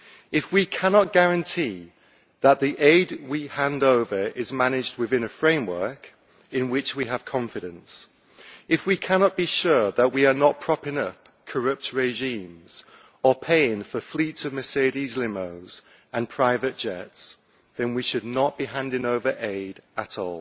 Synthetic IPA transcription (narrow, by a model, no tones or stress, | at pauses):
ɪfwikʰænɑt̚ɡ̥æɹɨ̃ntʰi | ðət̪̚ðiʔeɪd̚wihæ̃ndoʊvə˞ʔɪzmanɪd͡ʒd̚wɨðɪ̃nɨfɹẽɪ̃mwɜ˞k | ɨ̃nwɪt͡ʃwiəv̥kʰɒ̃ɱfɨɾɨ̃ns | ɨfwikʰænɑt̚b̥iʃʊɹðəʔ̚wiə˞nət̚pʰɹ̥ɑpɪ̃ŋʌp̚ | kʰə˞ʌp̚tɹeɪʒĩmz̥ | əpʰeɪɪ̃ŋfəflitsʌvmɨseɪɾizlɪ̃moʊz̥ | ə̃npʰɹ̥aɪvɨt̚d̥ʒ̥ɛ̰ts | ðɨ̃nwiʃɨdⁿnəʔ̚b̥iɦæ̃ndɪ̃ŋoʊvə˞ʔeɪɾəɾɔ̰ːlˠ